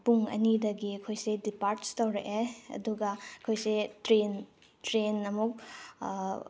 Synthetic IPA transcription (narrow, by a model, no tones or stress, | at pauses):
puŋɐ̰nidɐɡiɐkʰojsedipaɾtstɐwɾeʔeɐ̰duɡɐɐkʰojsetɾen | tɾenɐmuk̚